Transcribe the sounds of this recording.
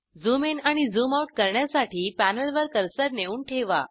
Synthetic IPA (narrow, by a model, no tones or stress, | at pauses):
d͡zumenaɽ̃id͡zumauʈ̚kəɾɳjasaʈʰiːpænəɭʋəɾkəɾsəɾneuːɳʈʰeʋa̰